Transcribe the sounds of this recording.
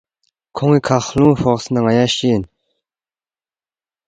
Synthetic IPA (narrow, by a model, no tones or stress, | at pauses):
kʰoŋikʰahloŋɸoχsʰənaŋajaɕijən